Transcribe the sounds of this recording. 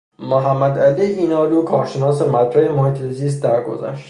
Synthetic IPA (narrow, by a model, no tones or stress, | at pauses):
moɦæmːæd̪æliːiːnɒːluːkʰɒːɾʃenɒːsemæt̪ɾæhemohet̪ʰeziːs̬t̪̚d̪æɾɡo̰zæ̰ʃt̪